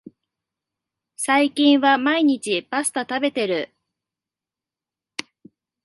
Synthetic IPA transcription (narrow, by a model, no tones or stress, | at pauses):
saikʲĩɰ̃βamaiɲ̟it͡ɕipasɨ̥t̪at̪abe̞t̪e̞ɾɯ̟